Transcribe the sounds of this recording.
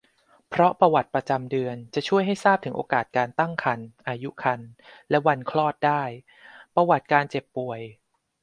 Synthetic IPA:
pʰɾɔ˦˥pa˧wa˨˩t̪̚pɾa˧t͡ɕa˧mdɯ˧ənt͡ɕa˨˩t͡ɕʰu˥˩əjɦa˥˩jsaː˥˩p̚t̪ʰɯ˩˦ŋʔoː˧kaː˨˩t̪̚kaː˧nt̪a˥˩ŋkʰa˧nʔaː˧ju˦˥kʰa˧nlɛ˦˥wa˧nkʰlɔː˥˩t̪̚daː˥˩j | pɾa˧wa˨˩t̪̚kaː˧nt͡ɕe˨˩pːu˨˩əj

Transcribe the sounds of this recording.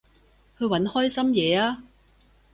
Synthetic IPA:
kʰɵ˨˧ɥwɐ˨˥nhɔː˥jsɐ˥mjɛː˨˧aː˥

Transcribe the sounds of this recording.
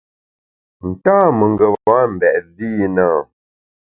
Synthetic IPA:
n̩˨taː˦mə˨ŋɡə˨a˦m̩˨bɛ˨ʔzi˦nə˦˨

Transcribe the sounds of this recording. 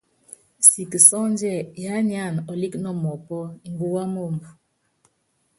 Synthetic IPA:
si˨kə˨sɔ˦n˦d͡ʒɛ˦˨ja˨˦ɲi˦a˦˨nɔ˨li˦knɔ˦mɔ˨pɔ˦i˨ŋ˦ɡu˦wa˦mo˦˨mbu˨

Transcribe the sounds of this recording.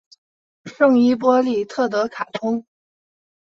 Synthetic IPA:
ʂɤ˥˧ŋi˥p̬wɔ˥li˥˩t̪ʰɤ˥˩t̪̬ɤ˧˥kʰa˨˩t̪ʰʊ˥ŋ

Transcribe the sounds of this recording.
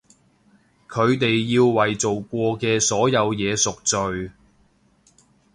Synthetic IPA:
kʰɵ˨˧ɥt̪e˨jːiː˧wwɐ˨jt͡so˨wkʷɔː˧kɛː˧sɔː˨˥jɐ˨˧wjɛː˨˧sʊ˨k̚t͡sɵ˨ɥ

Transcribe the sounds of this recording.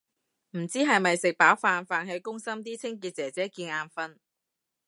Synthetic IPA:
m̩˨˩t͡siː˥ɦɐ˨jmɐ˨jsɪ˨k̚paː˨˥wfaː˧nfaː˨˧nhɐ˨˧jkʊ˥ŋsɐ˥mt̪̬iː˥t͡sʰɪ˥ŋkiː˧t̚t͡sɛː˨˩t͡sɛː˨˥kiː˧naː˧nfɐ˧n

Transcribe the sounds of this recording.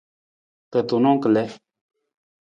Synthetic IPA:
kə˨t̪o˨nɔ̃˦ŋkə˨lɛ˦

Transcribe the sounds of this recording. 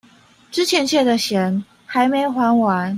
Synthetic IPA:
ʈ͡ʂɻ̩˥t͡ɕʰjɛ˧˥nt͡ɕʰjɛ˥˩d̪ə˨ɕjɛ˧˥n | xa˧˥ɪme˧˥ɪxwa˧˥nwa˧˥n

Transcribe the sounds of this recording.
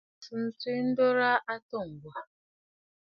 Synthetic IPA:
su˨n̩˨si˦n̩˦do˦ɾa˦ʔa˦to˦˨ŋ̩˨ɡʷa˨

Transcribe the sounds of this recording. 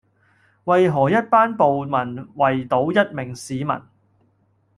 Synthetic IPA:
wɐ˨jɦɔː˨˩jɐ˥t̚paː˥npo˨wmɐ˨˩nwɐ˨jt̪o˨˥wjɐ˥t̚mɪ˨˩ŋsiː˨˧mɐ̰˨˩n

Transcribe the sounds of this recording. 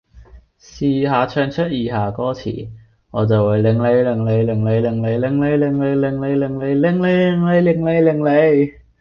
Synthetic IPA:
siː˨ɦaː˨˧t͡ʃʰœː˧ŋt͡ʃʰɵ˥t̚jiː˨˩ɦaː˨˩kɔː˥t͡sʰḭː˨˩ | ŋɔː˨˧t͡sɐ˨wa˨˩lɪ˨˩ŋle˨˧jlɪ˨˩ŋle˨˧jlɪ˨˩ŋle˨˧jlɪ˨˩ŋle˨˧jlɪ˨˧ŋle˨˧jlɪ˨˩ŋle˨˧jlɪ˨ŋle˨˧jlɪ˨˩ŋle˨˧jlɪ˨˩ŋle˨˧jlɪ˨˩ŋle˨˧jlɪ˨ŋle˨˧jlɪ˨˩ŋle˨˧j

